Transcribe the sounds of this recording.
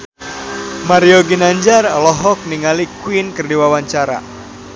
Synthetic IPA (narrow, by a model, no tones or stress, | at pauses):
maɾioɡinaɲd͡ʒarlɔɦɔk̚niŋalikwinkərdiwawaɲt͡ʃaɾa̰